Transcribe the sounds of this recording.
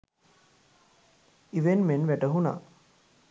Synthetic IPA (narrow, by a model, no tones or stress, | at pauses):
iʋenmenʋæʈəɦuna̰